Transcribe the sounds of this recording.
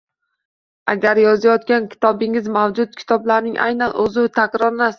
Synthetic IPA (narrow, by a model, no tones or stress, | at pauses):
a̰ɡʲaɾjɒzajɒt̪̚kʲankʲʰɪ̥t̪ʰɒbɪŋɪzmawd͡ʒʊt̪̚kʲʰɪ̥t̪ʰɒblaɾnɪŋʔa̰jnanɵzɪt̪ʰakʲɾɒɾnas